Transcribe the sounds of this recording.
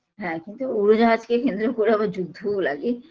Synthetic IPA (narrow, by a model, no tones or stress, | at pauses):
ɦɛ̃kint̪uuɾod͡ʑaad͡ʑkekend̪ɾokoɾeɛbad͡ʑud̪ʱːola̰ɡe